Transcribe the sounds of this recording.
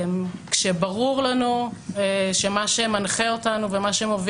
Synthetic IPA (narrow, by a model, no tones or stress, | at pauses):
mkʃebaʁuʁlanueʃe̞maʃemanχeotanuvemaʃeemov